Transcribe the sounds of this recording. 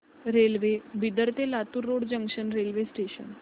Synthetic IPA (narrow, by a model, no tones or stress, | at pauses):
ɾelʋebid̪əɾt̪elat̪uɾːoɽd͡ʑə̃ŋkʂənɾelʋesʈeɕə̰n